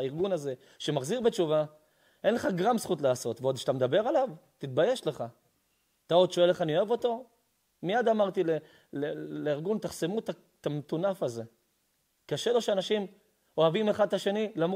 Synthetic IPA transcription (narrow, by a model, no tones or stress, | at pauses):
iʁɡunaze̞ | ʃe̞maχziʁbe̞t͡ʃuva | ʔe̞nleχaɡʁamsχut̪laːso̞t̪veod̪ʃet̪amed̪abe̞ʁalavt̪it̪̚baje̞ʃle̞χa | t̪ao̞d̪ʃo̞eleχanio̞evo̞t̪o̞ | miad̪amaʁt̪ile | leleiʁɡunt̪aχse̞mut̪a | tamet̪unafaze̞ | kaʃe̞lo̞ʃeanaʃim | o̞avimeχad̪̚taʃe̞nilam